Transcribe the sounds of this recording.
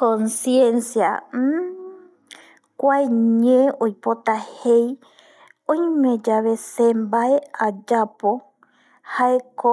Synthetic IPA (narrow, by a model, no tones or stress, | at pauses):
kõnsjẽnsija̰ | kʷaeɲẽojpot̪ahej | õj̃mẽd͡ʒaʋe̞sẽmbaead͡ʒapo | haeko